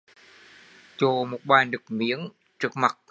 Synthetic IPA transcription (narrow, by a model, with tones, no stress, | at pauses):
t͡ɕo˧˩mo˨˩t̚ɓaː˨˩jɗɨ˨˩ək̚mḭ˧˥ən | t͡ɕɨ˨˩ək̚ma˨˩t̚